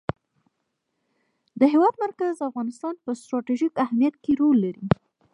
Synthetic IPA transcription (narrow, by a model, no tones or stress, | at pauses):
d̪əɦewɑd̪maɾkazafɣɑnɪst̪ɑnpəsʈ̪ɾɑʈeʒikahmijat̪̚keɾolːaɾi